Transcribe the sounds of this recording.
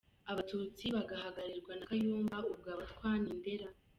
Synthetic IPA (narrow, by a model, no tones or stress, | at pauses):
aβatuːt͡siβaɡaɦaɡaɾiɾɡwanakajuːmbaub̚ɡaːβatwaːnimbe̞ɾa